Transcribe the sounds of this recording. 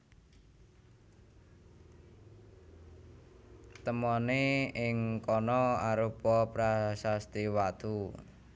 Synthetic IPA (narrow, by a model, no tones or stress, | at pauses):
t̪əmɔneɪŋkɔnɔaɾupɔpɾasast̪iwat̪u